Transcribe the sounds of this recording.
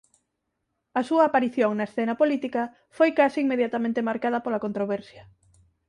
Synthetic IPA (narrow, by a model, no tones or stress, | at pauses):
ɐsuɐːpaɾiθjoŋnɐesθɛnɐpolit̪ikɐ | fojkasiiŋmeðjat̪amẽnt̪emaɾkað̞ɐpolakõnt̪ɾoβɛɾsjɐ